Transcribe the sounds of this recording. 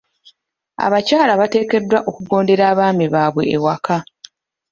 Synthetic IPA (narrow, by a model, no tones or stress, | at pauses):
a̰βacaːlaβate̞ːke̞dːwaʔo̞kuɡo̞ːnde̞ɾaːβaːmiβaːβwe̞̰ːwaka